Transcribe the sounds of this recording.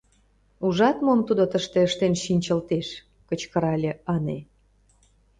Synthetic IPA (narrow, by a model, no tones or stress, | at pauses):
uʒɑt̪momt̪ud̪ot̪əʃt̪eəʃt̪enʃinʲt͡ɕə̆lt̪eʃ | kət͡ɕkə̆ɾɑlʲeɑnḛ